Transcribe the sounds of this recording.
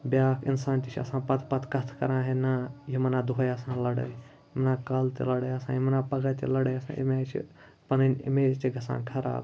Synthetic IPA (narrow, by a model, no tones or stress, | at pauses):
bʲjaːkʰinsaːnt̪ʲit͡ʃʰɐ̰sãːpɐt̪ʰpɐt̪ʰkɐt̪ʰkɐɾãːɦenɐjimɐnaːd̪uɦɐjɐsãːnlɐɽə̰ | jimɐnaːkɐlt̪ḭlɐɽəjɐsã̰ːjimɐnaːpɐɡaːt̪ʲilɐɽɐjɐsã̰ːjḭmaːt͡ʃʰḭ | pɐnɐnʲḭmeːt͡ʃ̪iɡʱɐsã̰ːkʰɐɾa̰ːb